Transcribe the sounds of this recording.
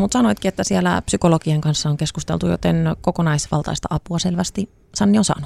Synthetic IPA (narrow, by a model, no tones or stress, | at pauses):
mut̪sɑnoit̪kiet̪ːæsiælæ̰psykolokieŋkɑnsːɑoŋkeskust̪ḛlt̪ujo̰t̪enkokonɑisʋɑ̰lt̪ɑ̰ist̪ɑ̰ʔɑpuɑselʋæst̪i | sɑnːionsɑ̰ːnu